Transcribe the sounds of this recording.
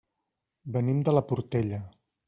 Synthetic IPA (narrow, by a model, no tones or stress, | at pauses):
bənimd̪ələpuɾt̪eʎə